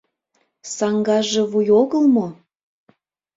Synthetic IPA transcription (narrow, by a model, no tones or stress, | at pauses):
sɑŋɡɑʒeβujoɣəlmo